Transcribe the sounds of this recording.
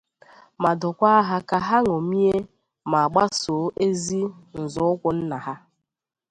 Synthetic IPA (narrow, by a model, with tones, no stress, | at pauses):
ma˨dʊ˨kʷa˦a˦ɦa˦ka˨ɦa˦ŋo˨mi˦e˦ | ma˨a˨ɡ͡ba˦so˨˦ʔe˦zi˦n̩˨zʊ˨˦ʊ˦kʷʊ˨n̩˦na˨ɦa˦